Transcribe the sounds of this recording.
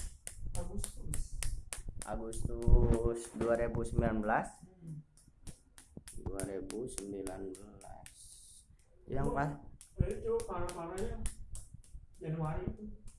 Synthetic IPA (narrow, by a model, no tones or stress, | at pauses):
aɡust̪us | ʔa̰ɡust̪usduaɾebusəmbilanbəlas | duaɾebusəmbilanbəla̰s | idaŋpaait͡ʃupaɾapaɾaɲa | d͡ʒanwaɾit̪u